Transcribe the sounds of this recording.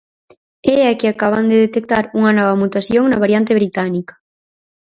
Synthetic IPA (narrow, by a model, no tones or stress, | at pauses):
ɛakɪakaβ̞and̪eðet̪ek̚t̪aɾuŋɐnɔβ̞ɐmut̪aθjoŋnɐβaɾjant̪eβɾit̪anikḁ